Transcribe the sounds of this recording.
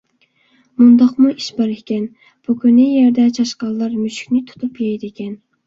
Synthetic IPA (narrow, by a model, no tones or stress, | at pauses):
mund̪ɑqmuʔiʃbɑɾɪhkʲɛn | b̥ukʲynɪjɛɾd̪ɛt͡ʃʰɑʃqɑlˠːɑɾmyʃkʲnɪt̪ʰu̥t̪ʰupjɛjd̪ɪkʲʰɛn